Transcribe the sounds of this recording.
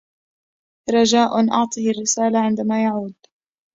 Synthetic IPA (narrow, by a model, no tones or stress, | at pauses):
ɾˤɑd͡ʒaːʔʊnʔɑʕt̪ˤiːarːɪsaːlaʕɪnd̪amaːjaʕuːd̪